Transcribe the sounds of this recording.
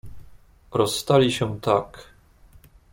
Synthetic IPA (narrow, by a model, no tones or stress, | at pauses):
ɾɔsːt̪alʲiɕɛ̃t̪ak